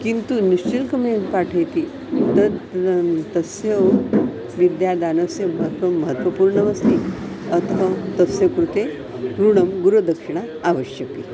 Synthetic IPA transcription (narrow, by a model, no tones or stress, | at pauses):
kint̪uniʂt͡ɕilkəmenpaʈʰəjt̪i | t̪əɾ | t̪əsjəʋ | ʋid̪jad̪anəsjəməɦət̪ɐməɦət̪ʋəpuːɾɳəʋəst̪i | ət̪ʰʋat̪əsjəkɾut̪e | ɡɾuɳəmɡuɾud̪ʱəkʂiɳ̃a | aʋəɕjəki